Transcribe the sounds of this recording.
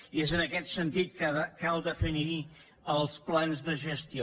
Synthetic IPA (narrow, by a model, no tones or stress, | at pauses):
iezənəkɛt̪sənt̪it̪̚kkalˠd̪əfiniɾi | əlˠsplanzðəʒəst̪io